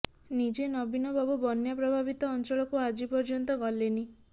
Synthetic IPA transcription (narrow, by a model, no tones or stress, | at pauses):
nid͡ʒenɔbinɔbʱabubɔnjapɾɔbʱabit̪ɔːnt͡ʃɔɭɔkuad͡ʒipɔɾd͡ʒɔnt̪ɔɡɔleni